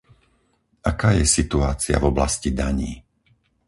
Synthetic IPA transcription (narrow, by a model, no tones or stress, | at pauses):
ʔakaːjɛsit̪uaːt͡sia̰vɔblascid̪aɲiː